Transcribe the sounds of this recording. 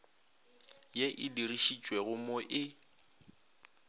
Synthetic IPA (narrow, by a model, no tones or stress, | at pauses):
jeʔɪdiriʃit͡ʃʼweɣʊmoʔɪ